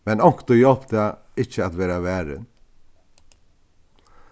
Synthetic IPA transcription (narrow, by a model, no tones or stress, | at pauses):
mɛnɔŋkt̪ɔjɔlpt̪əɛ | ɪçəat̪ʋæːɾaʋæːɾə̰n